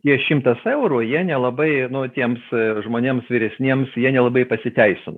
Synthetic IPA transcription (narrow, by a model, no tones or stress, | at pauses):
t̪ʲiɛʃʲɪmt̪ɐsɛʊɾujiɛnʲɛlˠɐbɐɪnʊt̪ʲiɛmsʒmoːnʲeːmsʋʲiːɾʲɛsʲnʲiɛmsjiɛnʲɛlˠɐbɐɪpɐsʲɪt̪ʲɛɪsʲɪnʊ